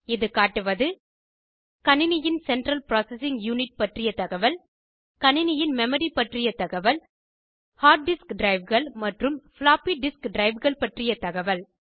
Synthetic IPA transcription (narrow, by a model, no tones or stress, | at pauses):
ɪðɯkaːʈːɯʋɐðɯ | kɐnɪnɪjɪnsɛɳʈɾɐlpɾaːsɛsɪŋɡjuːnɪʈ̚pɐʈrɪjɐt̪ɐɣɐʋɐl | kɐnɪnɪjɪnmɛmɐɾipɐʈrɪjɐt̪ɐɣɐʋɐl | haːʈ̚ɖɪskɖɾɐɪʋɣɐɭmɐʈrɯmflaːpiɖɪskɖɾɐɪʋɣɐɭpɐʈrɪjɐt̪ɐɣɐʋɐl